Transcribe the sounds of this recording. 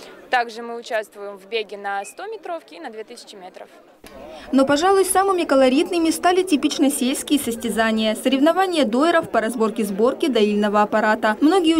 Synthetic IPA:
t̪aɡʐɨmɨʊt͡ɕast̪vʊjɪmvbʲeɡʲɪnɐst̪o̞mʲɪt̪ɾo̞fkʲɪːnɐd̪vʲet̪ɨsʲɪ̥t͡ɕɪmʲet̪ɾəf | no̞pɐʐalˠʊjsamɨmʲɪkəlˠɐɾʲit̪nɨmʲɪst̪alʲɪtʲɪpʲit͡ɕnəsʲelʲskʲɪjəsəsʲtʲɪzanʲɪjəsəɾʲɪvnɐvanʲɪjəd̪o̞ɪɾəfpəɾɐzbo̞rkʲɪzbo̞rkʲɪd̪ɐilʲnəvəɐpɐɾat̪əmno̞ɡʲɪj

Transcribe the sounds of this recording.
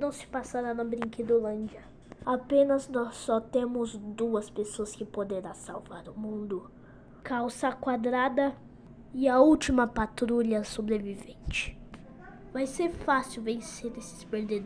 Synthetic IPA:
nɐ̃w̃sɪ̥pasaɾanɐbɾĩŋked̪olɐ̃nd͡ʒiɐ | apẽnɐznɔsːɔt̪ẽmʊzd̪uɐspesoɐskɪpod̪eɾasawvaɾʊmũnd̪ʊ | kawsɐkwad̪ɾad̪ɐ | ɪɐuwt͡ʃimɐpat̪ɾuʎɐsobɾevivẽnt͡ʃɪ̥ | vajseɾfasiwvẽseɾesɪ̥speɾd̪ed̪

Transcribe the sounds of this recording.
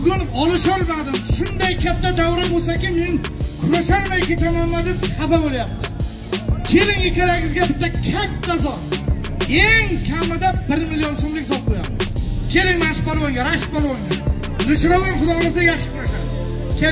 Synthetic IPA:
bʊɡʲʊnɒlˠɪʃɒlˠbaɾd̪ɪmʃʊnd̪ajkʲat̪ːad̪awɾɪbosakʲɪmeŋkʲʰʊɾaʃaɾmajkʲet̪ʰamamlad̪ɪababolajap̚t̪ʰɪ | kʲʰe̞lɪŋekʲʰaɾaɡʲɪzɡʲabɪt̪ːakʲʰat̪ːazɒt̪ | e̞ŋkʲʰamːɪd̪abɪɾmɪlijonsomɪŋʲt̪ʰɒp̚qojap̚t̪ɪkʲe̞lɪŋmaʃpaɾmajŋɡʲaɾaʃɪpaɾwɒŋɪ | lɪʃɾɒwnɪŋqʊlˠɒʁlˠɪzajaχʃɪ̥t̪ʰʊɾakʲad̪ | kʲ

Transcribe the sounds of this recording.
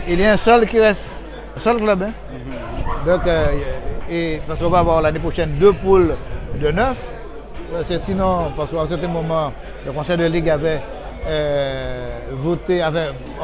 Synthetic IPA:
iljaɛ̃sœlkiʁɛst̪ | ɛ̃sœlklœbɛ̃ | d̪ɔ̃k | epaʁsə̥kɔ̃vavwaʁlanepʁoʃɛnd̪øpuld̪ənœf | pasəsinɔ̃paʁsəkãsɛʁt̪ɛ̃mɔmɑ̃ | ləkɔ̃sɛd̪əliɡavɛ | vot̪eãfɛ̃

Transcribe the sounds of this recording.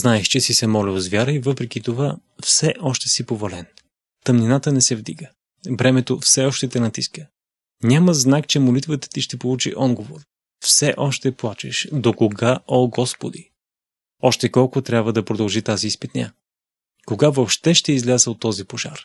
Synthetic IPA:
znaɛʃt͡ʃɛsisɛmɔlɛozvjaɾəivɤpɾɛkit̪ova | fsɛʔɔʃt̪ɛsipovolɛn | t̪ɐmninat̪ənɛsɛvd̪ḭɡə | bɾɛmɛt̪ofsɛɔʃt̪ɛt̪ɛnɐt̪iskə | nʲaməznakt͡ʃɛmolit̪vət̪ə̥t̪iʃt̪ɛpolˠut͡ʃḭʔɔd̪ɡovoɾ | fsɛʔɔʃt̪ɛplˠat͡ʃɛʃd̪okoɡaʔoɡɔspod̪i | ɔʃt̪ɛkɔlˠkʊt̪ɾʲabvəd̪ɐpɾod̪ɐlˠʒit̪aziːspɛt̪nʲa̰ | koɡavopʃt̪ɛʃt̪ɛizlʲazəot̪ːɔzipoʒa̰ɾ

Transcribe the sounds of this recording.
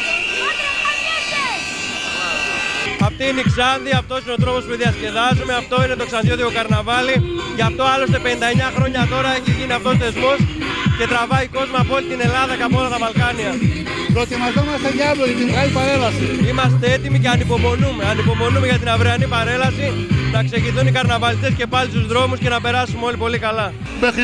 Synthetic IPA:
ɐft̪iiniksɐnðiɐft̪o̞sino̞t̪ɾo̞po̞spuðiɐsce̞ðɐzumeaft̪o̞ine̞t̪o̞ksɐnðjo̞t̪iokɐɾnavɐliʝɐft̪o̞ɐlo̞st̪epe̞nind̪ɐeɲɐxɾo̞ɲɐt̪o̞ɾɐeçiʝineɐft̪o̞sθe̞zmo̞sce̞t̪ɾɐvɐiko̞zmɐːpoo̞lit̪ine̞lɐðɐceɐpoo̞lɐt̪ɐvɐlkɐniɐ | pɾot̪imɐzomɐst̪eʝɐvot̪it̪imɣalipaɾe̞lɐsiimɐst̪ee̞t̪imiceɐnipo̞mo̞nume̞ɐnipo̞mo̞nume̞ʝɐt̪̬inɐvɾeɐnipɐɾe̞lɐsinɐkse̞ʝiθunikɐɾnɐvɐlit̪esce̞pɐlist̪uzðɾo̞musce̞nɐpe̞ɾɐsumeolipo̞likɐlɐ | mex

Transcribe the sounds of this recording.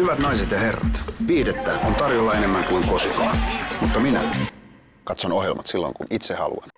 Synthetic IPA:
hyʋæt̪nɑiset̪jɑherːɑ̰t̪piːdet̪ːæːkunt̪ɑrjolːɑenemːæŋkuiŋkosukɑːmut̪ːɑminæ̰ | kɑt̪sonoɦjḛlmɑt̪silːo̰ŋkunit̪sehɑ̰lṵɑn

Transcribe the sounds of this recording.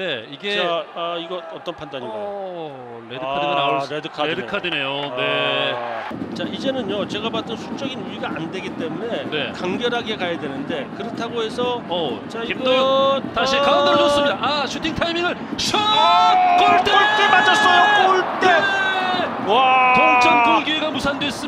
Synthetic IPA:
ne̞iɡe̞aaiɡʌʌt͈ʌnpʰandaɲiɡa | neɯkaɡanaoɭedɯkʰaedɯkʰadenejone̞ | t͡ɕaid͡ʑe̞nɯnjot͡ɕe̞ɡabat͈ɯnsʰu̥t͡ɕ͈ʌɡinuiɡaandwe̞ɡit͈e̞mune̞ne̞kaŋɡjʌɾɦaɡe̞kajadwe̞nɯnde̞kɯɾʌtʰaɡoe̞sʰʌʌt͡ɕaiɡtaikaaɾdos͈ɯmɲidaaɕʰutʰiŋtʰaimiŋɯɭɕʰʌ | k͈oɭt͈eoɭt͈emad͡ʑas͈ʌjokoɭt͈e | atoŋt͡ɕʰʌntoŋɡieɡamusʰandwes͈ɯ

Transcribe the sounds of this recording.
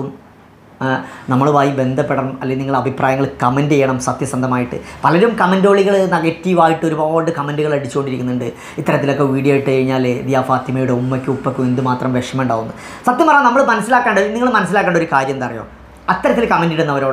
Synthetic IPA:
um | nɐmːɐɭuʋaːjibe̞nd̪ʱɐpːeɽɐmɐ̰lːeniŋːɐɭɐbʱiprʔaːjɐŋːɐɭkɐmendejːɐɳɐmsɐt̪jɐsɐnd̪ʱɐmaːjiʈːɨ̰pɐlɐɾumkɐmɐndo̞ːɭiɣɐɭnɐɣɐtːijuʋaːjiʈːɨoɾubaːɳɖɨkɐmendɨɣɐɭɐɽit͡ɕːukːo̞ɳɖiɾikʲːunːuɳɖɨ | it̪ːɐɾɐt̪ːilo̞kːe̞ʋiːɽijoːjiʈːɨkɐɻiɲːaːl̰d̪ijaːfaːt̪ːimɐjuɽeumːɐkʲːuupːɐokʲːumend̪ɨmaːt̪rɐmʋeʂɐmɳɖaːɣunːuɨ | sɐt̪jɐmpɐrɐːnɐmːɐɭɨmɐnɐsːilaːkːaːɳɖɐniŋːɐɭɨmɐnɐs̬ːilaːkːeːɳɖo̞ɾukaːɾjɐmend̪ɐrɐjo̞̰ː | ɐt̪ːɐɾɐt̪ːilkɐmendiɽunːɐʋɐɾo̞ːɽe

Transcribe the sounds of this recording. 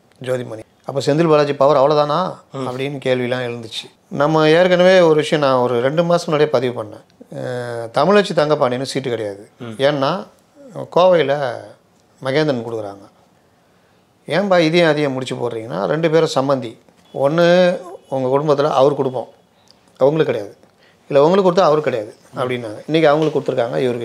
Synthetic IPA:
d͡ʒoːðimɐni | ɐpːoːsɛnd̪ɪlbɐːɭaːt͡ʃːipɐʋɐɾɐʋɐɭɐt̪ãːnaːɐpːɐɽɪjnːɯkeːɭʋɪjlãːɪɻɯnd̪ɯt͡ʃːɯ̥ | nɐmːɐeːɾɯk̬ːɐnːɐʋeːɔɾɯʋɪʂɐjɔ̃nãːɔɾɯɾɛɳɖɯmaːsɐmnaːɽɐjɐpɐðɪʋɯpɐɳːḛ̃ː | t̪ɐmɪɭɐt͡ʃːit̪ɐŋɡɐpɐɳnːeːnːɯsiːʈːɯkɪɽɐjaːðɯeːnːaː | koːʋɐɪlɐ | mɐɣeːnd̪ɐnkʊɽɯkɯɾa̰ːŋɡɐ | eːmbaːɪðɪjẽɐðɪjɐ̃mʊɽɪt͡ʃːɯpo̰ːɾɾiːŋɡɐnːa̰ːɾɛɳɖɯpeːɾɔ̃sɐmbɐnd̪i | ɔnːɯʊŋɡɐkʊɽʊmbɐt̪ːɪlɐʔɐʋɐɾɯkʊɽɯpːõ̰ː | ɐʋɐŋɡɐɭɯkːɐɽɐjaːðɯ | ɪlːɐʊŋɡɐɭɯkːʊɽɯt̪ːaɐʋɐɾkːɪɽɐjaːðɯ | ɐpːɐɽɪnːaːŋɡɐɪnːɛk̬ʲːiɐʋɐŋɡɐɭɯkːʊɽɯt̪ːɯɾɯkːaːŋɡɐ̰ɪʋɐɾɯkɯ

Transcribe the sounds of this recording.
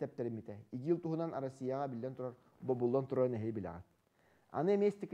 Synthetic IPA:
t̪æp̚t̪æɾɘmjit̪æikɘjɤlˠt̪uɦɤ̆nɑnɑɾosʲːijɑʁɑbilːænt̪ŏɾɑɾ | bobulˠːɑnt̪ŏɾɑnæɦɘjbilɑ̰ʁæ̰t̪ | ɑ̰nɯmʲesʲt̪ik

